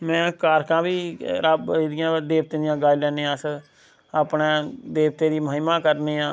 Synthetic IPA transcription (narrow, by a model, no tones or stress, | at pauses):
mɛ̃ːkaːɾkãːbiːɾəbd̪ɪjãːd̪eːʋt̪eːd̪ɪjãːɡaːiːlɛːneːãːsə | aːpnẽːd̪eːʋt̪eːd̪iːməɦɪmãːkəɾneːãː